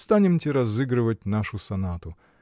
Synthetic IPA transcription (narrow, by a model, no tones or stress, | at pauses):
st̪anʲɪmtʲɪɾɐzɨɡɾɨvətʲnaʂʊsɐnat̪ʊ